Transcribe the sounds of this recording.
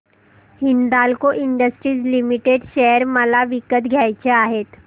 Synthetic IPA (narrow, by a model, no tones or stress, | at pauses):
hind̪alkoʔiɳɖəsʈɾiːd͡zlimiʈeɖɕeəɾməlaʋikət̪ɡʱjajt͡ɕeaɦet̪